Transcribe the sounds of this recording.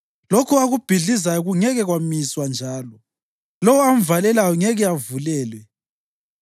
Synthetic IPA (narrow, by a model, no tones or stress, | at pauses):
lokʰɔaɣub̥ʱiɮizajɔɣuŋɛɣɛɣwamiswand͡ʒʱaːlɔ | lɔwɔam̩valɛlajɔŋɛɣɛavulɛːlwɛ